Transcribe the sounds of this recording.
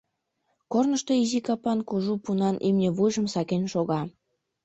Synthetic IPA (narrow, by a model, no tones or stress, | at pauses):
kornəʃt̪oizikɑpɑnkuʒupunɑnʔimnʲĕβujʒə̆msɑkenʃoɣɑ